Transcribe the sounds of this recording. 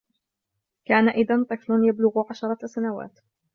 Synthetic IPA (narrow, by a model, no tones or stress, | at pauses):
kaːnaʔɪðant̪ˤɨflʊnjablʊɣʕaʃɑɾˤɑsanawa̰ːt̪